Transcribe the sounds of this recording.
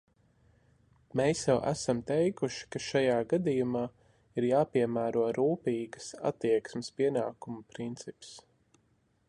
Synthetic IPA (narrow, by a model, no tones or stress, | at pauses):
meːsjɛwʔæ̰samt̪ɛjkuʃi̥kaʃajaːɡad̪ijumaː | iɾjaːpiɛmæːɾuɔɾuːpiːɡəsa̰t̪ːiɛksmɪspiɛnaːkumupɾint̪sips